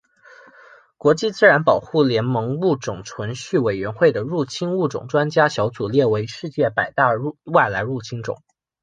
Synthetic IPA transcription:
kwɔ˧˥t͡ɕi˥˩t͡sɹ̩˥ɻa˧˥npɑ˨˩ʊxu˥˩ljɛ˧˥nmɤ˧˥ŋu˥˩ʈ͡ʂʊ˨˩ŋʈ͡ʂʰwə˧˥nɕy˥˩we˨˩ɪɥɛ˧˥nxwe˥˩ɪd̪ə˩ɻu˥˩t͡ɕʰi˥nu˥˩ʈ͡ʂʊ̰˨˩ŋʈ͡ʂwa˥nt͡ɕja˥ɕjɑ˧˥ʊt͡su˨˩ljɛ˥˩we˧˥ɪʂɻ̩˥˧t͡ɕjɛ˥˩pa˨˩ɪt̪a˥˧˥wa˥˩ɪla˧˥ɪɻu˥˩t͡ɕʰi˥ŋʈ͡ʂʊ̰˨˩˦ŋ

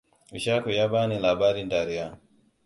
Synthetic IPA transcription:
i˨ʃa˦ku˨ja˦ba˦ni˨la˨ba˦ɾi˦nda˨ɾi˨ja˦˨

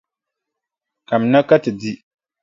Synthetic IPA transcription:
ka˨m̩˨na˦ka˦tɨ˨di˦

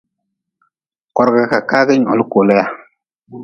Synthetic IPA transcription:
kɔ˨ɾɡa˨ka˨ka˦ɡɛ˦ɲɔ̰˨lu˦ko˨lɛ˦ja˦

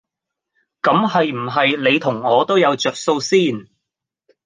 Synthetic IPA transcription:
kɐ˨˥mhɐ˨jm̩˨˩ɦɐ˨jle˨˧jt̪ʰʊ˨˩ŋɔː˨˧t̪o˥wjɐ˨˧wt͡ʃœː˨k̚so˧wsiː˥˩n

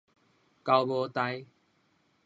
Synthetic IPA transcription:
ka˧ʊwbɔ˧t̪a˧j

